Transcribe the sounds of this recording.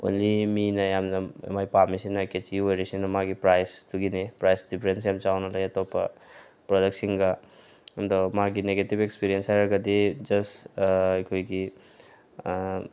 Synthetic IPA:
o̰nliminɐjamnɐḛmajpamisinɐket͡ʃiiojɾisinɐmaɡipɾajsduɡinepɾajsdipʰɾens̬jamt͡ʃawnɐlɐjɐtopɐ̰ | pɾodɐk̚tsiŋɡɐndomaɡineɡetipekspiɾienshajɾɐɡɐdid͡ʒɐsɐjkʰojɡi

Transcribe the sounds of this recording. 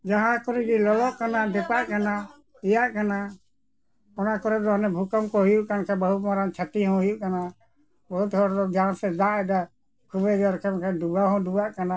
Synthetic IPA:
d͡ʒaɦãkɔɾɛɡilɔlɔʔkanad̪ɛpaʔkana | ijaʔkana | ɔnakɔɾɛd̪ɔɔnɛbʱukɔmkɔɦujuʔkankʰɛbəɦut̪̚mɔɾant͡ʃʰat̪iɦɔ̃ɦujuʔkana | bɔɦut̪hɔɾd̪ɔd͡ʒaɦãsɛd̪ãʔɛd̪a | kʰubɛɡaɾkʰɛmkʰɛɖuɡaɦɔ̃dubaʔkana

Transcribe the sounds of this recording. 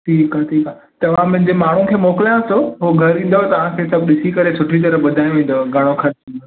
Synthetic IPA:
ʈʰiːkaʈʰiːkaː | t̪ɐʋ̤ãmɐ̃ɦɪ̃ɲd͡ʑemaːɳ̤ũkʰeːmoːkɪlijãsoɦoɡʱɐɾĩːnd̪ot̪ɐʋ̤ãkʰesɐbɗɪsikɐɾesʊʈʰit̪̬ɐɾəɓɐd̪ʱaːj̃ʋẽːn̆d̪oɡʱɐɽ̃okʰɐɾt͡ɕĩːn̆d̪o

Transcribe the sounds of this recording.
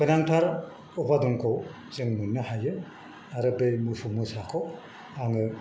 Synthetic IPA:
kʰɯjnaŋtʰaɾ | ɔbadɔŋkʰow | zɯŋnunːɯhajɯ | aɾɯbejmupʰumɯsakʰo | aŋɯ

